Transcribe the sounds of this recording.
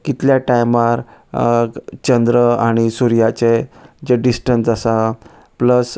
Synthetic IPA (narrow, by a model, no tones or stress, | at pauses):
kit̪ljaʈajmaɾ | t͡ɕənd̪ɾəaɽ̃isuɾijat͡sed͡ʑeɖisʈənsasa | pləs